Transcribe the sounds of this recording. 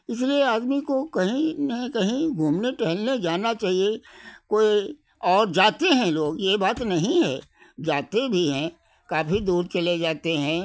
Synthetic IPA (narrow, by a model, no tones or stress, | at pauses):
ɪslieaːd̪mikokɐɦĩnekɐɦĩɡʱuːmneʈɛɦəlned͡ʒaːnat͡ʃaːɦiekoːi | ɔːɾd͡ʒaːt̪eɦɛ̃loːɡjebaːt̪nɐɦĩɦɛ̰ː | d͡ʒaːt̪ebʱiɦɛ̃ | kaːpʰid̪uːɾt͡ʃɐled͡ʒaːt̪eɦɛ̃ː